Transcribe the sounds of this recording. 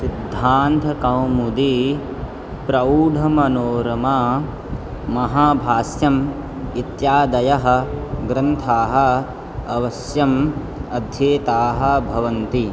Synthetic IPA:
sid̪ʱːaːnt̪ʰɐkɐwmud̪i | pɾɐuːɖʱɐmɐnoːɾɐma | mɐɦaːbʱaːsjɐm | it̪jaːd̪ɐjɐɦɐ̆ɡɾɐnt̪ʰaːɦɐ̆ | ɐʋɐsjɐm | ɐd̪ʱjeːt̪aːɦɐ̆bʱɐʋɐnt̪i

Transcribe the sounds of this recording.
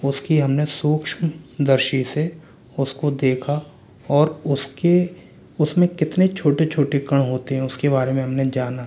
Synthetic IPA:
ʊskiɦɐmnesuːkʃmd̪ɐɾʃise | ʊskod̪eːkʰa | ɔːɾʊske | ʊsmẽkɪt̪net͡ʃʰoːʈet͡ʃʰoːʈekɐɽ̃ɦoːt̪eɦɛ̃ʊskebaːɾemẽɦɐmned͡ʒaːna

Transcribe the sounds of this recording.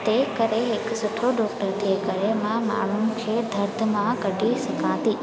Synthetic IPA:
t̪eːkəɾeɦeksʊʈʰoɖoːkət̪ekəɾemãma̰ːɳ̤unɪ̆kʰed̪ʱəɾd̪ʱəmãkəɖʱisɐkãːt̪iː

